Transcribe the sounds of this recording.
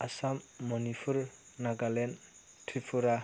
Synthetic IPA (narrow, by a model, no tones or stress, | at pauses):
asamːɔnipʰuɾ | naɡalen | tʰipʰuɾa